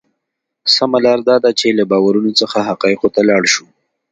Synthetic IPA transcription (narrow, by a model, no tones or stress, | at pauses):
samalɑɾd̪ɑd̪at͡ʃelabɑwaɾunot͡səxaɦaqɑɪqot̪alɑɽʃu